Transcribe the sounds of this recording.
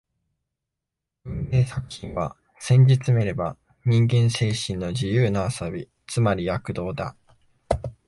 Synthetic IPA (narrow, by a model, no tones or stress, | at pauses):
ɯ̟̃ne̞ːsakɯ̟̥çĩɰ̃βa | sẽ̞ɲ̟d͡ʑit͡sɨme̞ɾe̞ba | ɲ̟ĩŋɡẽ̞ɰ̃se̞ːɕĩnːo̞d͡ʑijɯːnaasobʲi | t͡sɨmaɾʲijakɯ̟d̪o̞ːd̪a̰